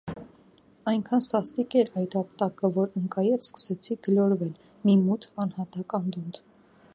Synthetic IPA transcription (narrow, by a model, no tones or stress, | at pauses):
ɑjŋkʰɑnsɑst̪ikɛɾɑjt̪ɑpt̪ɑkəvɔɾəŋkɑjɛvskə̥sɛt͡sʰiɡəlɔɾvɛl | mimut̪ʰɑnhɑt̪ɑkɑnd̪und̪